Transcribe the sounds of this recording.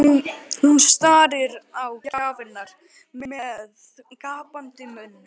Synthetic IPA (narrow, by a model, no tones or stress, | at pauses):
hunst̪aːɾɪɾawcaaːvɪnːaɾ̥ | mɛmɛð | kaːpant̪ɪmʏnːʏ